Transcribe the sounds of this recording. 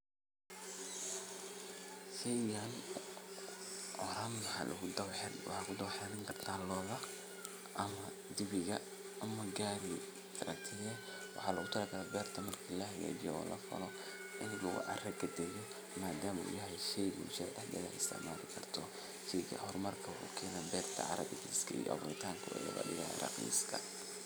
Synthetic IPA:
ʃɛjɣɐn | ʔɔɾaːnmɑħɑ̰ːlʔɐ̰ɣʊd̪ɐwħɛwħɑːkʰʊd̪ɐwħɛɾɐŋkʰɐrt̪ʰaːlɔːðɐ | ʔɐmɐ | d̪ɪβɪɣɐ | ʔɐmɐɡaːɾi | kʰɐɾɐ̰kt̪ʰɪðɛ | wɑħɑːlɐɣʊt̪ʰɐlɐkʰɐɾlɛbɛːrt̪ʰɐmɐrkʰiːlɐhɐɣɛ̰ːd͡ʒɪjɔɔ̰ːlʔɐ̰fɐ̰lɔ | ʔɪnlɐɣʊ̰ʕɑ̰rɐɡɐd̪ɛːjɔ | maːd̪aːmɐʊ̰jɐɦɛʃɛjɣṵʃɛd̪ɐħd̪ɐ̰ɣɐ̰ħɪst̪ʰɪ̰ʕma̰ːlɪkʰɐrt̪ʰɔ | ʃɛjɣɐ̰hɔrmɐrkʰɐṵkʰɛːnɛbɛːrt̪ʰɐ̰ʕɑ̰ɾɐ̰ɣɪɣiːskʰɐḭːɔ̰ʔɐ̰βɔɪt̪ʰaːŋkʰɐɛ̰jɐ̰ɣɐ̰ɗɪɣɐ̰ɾɐ̰qḭːskʰɐ

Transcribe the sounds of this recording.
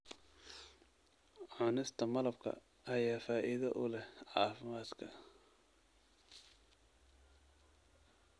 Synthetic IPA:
ʕɑnɪst̪ʰɐmɐlɐbkʰɐ̰ | ɐjaːfaːʔɪðɐʔʊlɛhʕɑːfɪmaːd̪kʰɐ

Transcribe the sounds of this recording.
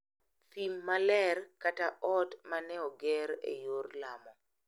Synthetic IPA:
θimːalɛrkataʔɔtmanɛɔɡɛɾḛjorlamɔ

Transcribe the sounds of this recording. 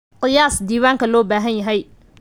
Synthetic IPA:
qɪjaːsd̪iːwaːŋkʰɐlɔːbaːɦɐnjɐɦɛj

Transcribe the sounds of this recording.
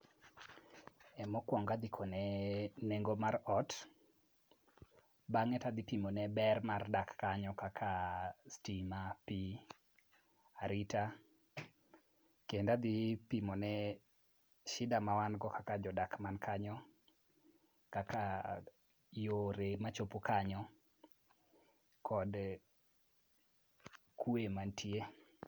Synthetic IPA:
ɛmɔkwɔŋɡad̪ɪkʰɔnɛneŋɡomaɾɔt | baŋɛtad̪ipimonɛbɛrmardakːaɲɔkakʰastimapi | aɾita | kendad̪ipimɔnɛ | ʃɪdamawanɡɔkʰakad͡ʒɔdakmankʰaɲɔ | kakʰa | joɾemat͡ʃopokaɲɔ | kʰɔd | kʰwemantʰje

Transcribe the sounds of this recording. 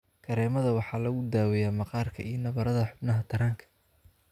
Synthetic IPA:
kʰɐɾɛːmɐðɐwɑħɑːlɐɣʊd̪aːwɛjaːmɑqɑːrkʰɐijɞnɐβɐɾɐðɐħʊbnɐɦɐt̪ʰɐɾaːŋkʰɐ̥

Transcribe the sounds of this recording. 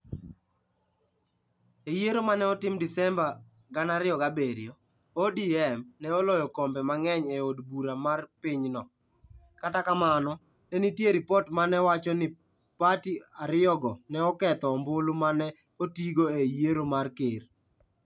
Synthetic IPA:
ejeɾomanɛɔtɪmdɪsɛmba | ɡanaɾɪɔɡabeɾjo | odiɛmnɛɔlɔjɔkombɛmaŋɛɲeodbuɾamarpɪɲnɔ | katakamanɔ | nɛnitjeɾipɔtmanɛwat͡ʃɔnɪ | patiaɾɪɔɡɔnɛɔkɛt̪ɔmbʊlomanɛ | otiɡoejeɾomarkɪr

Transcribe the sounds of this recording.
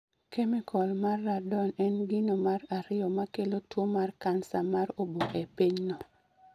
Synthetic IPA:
kemikɔlmarːadɔnɛnɡɪnomaraɾɪjɔmakelotwomarkansamaɾoboʔɛpiɲnɔ

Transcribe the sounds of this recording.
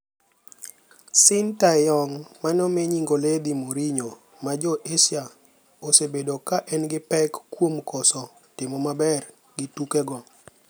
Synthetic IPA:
sɪntajɔŋmanɔmeɲiŋɡoled̪imoɾiɲo | mad͡ʒɔʔesja | osebedokaʔɛnɡɪpɛkːwomkɔsɔ | tɪmɔmabɛr | ɡɪtukɛɡɔ

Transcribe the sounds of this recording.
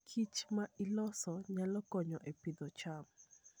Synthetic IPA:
kʰit͡ʃmailɔsɔɲalɔkɔɲɔʔepid̪ɔt͡ʃam

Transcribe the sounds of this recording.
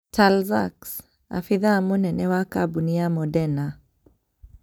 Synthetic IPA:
tʰalza̰ks | a̰fiðaːmunɛnɛwakabuniamɔdɛna

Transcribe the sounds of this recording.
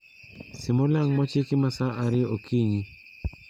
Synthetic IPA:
sɪmɔlaŋmɔt͡ʃɪkɪmasaʔaɾɪokʰiɲi

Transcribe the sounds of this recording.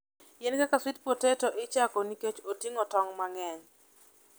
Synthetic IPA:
jɛnkakaswit̚potetɔʔɪt͡ʃakoniket͡ʃotiŋɔtɔŋmaŋɛɲ

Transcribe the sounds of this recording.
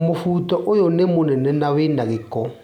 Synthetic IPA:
mofuːtɔʔojɔnemonɛnɛnawenaɣekɔ

